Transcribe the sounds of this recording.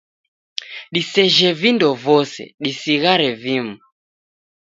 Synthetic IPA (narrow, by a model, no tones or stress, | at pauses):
ɗisɛʒɛvindɔvɔsɛ̰ɗisiɣaɾɛvimu